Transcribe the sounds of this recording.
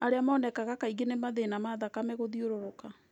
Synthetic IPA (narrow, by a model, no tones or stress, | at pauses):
aɾeamaɔnɛkaɣakaiɡenemaðenamaðakamɛɣoðioɾoɾoka